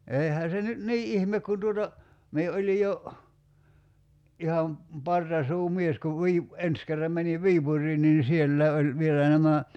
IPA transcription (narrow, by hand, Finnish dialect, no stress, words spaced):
eihæ se nyt niː ʔihmek kun tuotɑ mie olʲi jo ihɑm pɑrtɑsuːmies kuʋ ʋiːp ens kerːɑm meniʋ ʋiːpurˑiːn niːn sielːæi̞ olʲ ʋielæ næmæ